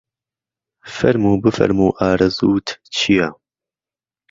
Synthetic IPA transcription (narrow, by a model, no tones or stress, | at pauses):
fɐɾmuːbɨfɐ̰ɾmuːʔaːɾɐzuːt̪ʰt͡ʃʰija